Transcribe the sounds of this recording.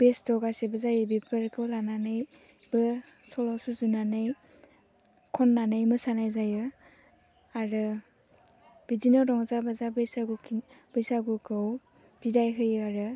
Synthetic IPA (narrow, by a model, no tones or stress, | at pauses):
b̥esdɔɡasibɯzajɯbipʰɯɾkʰɯwlananɯj | bɯ | sɔlɔsuzunanɯj | kʰɔnːanɯjmɯsanajzajɯ | aɾɯ | b̥izinɔɾɔŋzabazabɯjsaɡukib̥ɯjsaɡukʰɯw | b̥idajɦɯjɯaɾɯ